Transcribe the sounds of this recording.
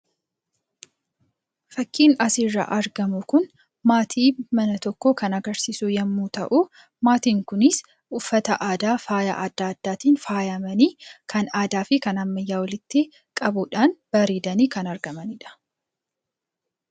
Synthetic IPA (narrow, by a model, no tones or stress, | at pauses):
fɐkːiːnɐsirːɐ̰ʔɐɾɡɐmʊkʊn | maːt̪ʰiːmɐnɐt̪ɔkːoːkɐnɐɡɐɾsisujɐmːuːt̪ɐʔu | maːt̪iːŋkʊnɪs | ʔʊfːɐt̪ɐʔaːd̪aːfaːja̰ʔɐd̪ːaːɐd̪̥ːaːt̪iːnfaːjɐmɐniːkʰɐnaːd̪aːfɪkɐnɐmːɐjːaːwɐlɪt̪ːɪ | kʼɐbʊᶑaːnb̥ɐɾeːd̪ɐniːkɐnɐɾɡɐmɐnɪᶑɐ̥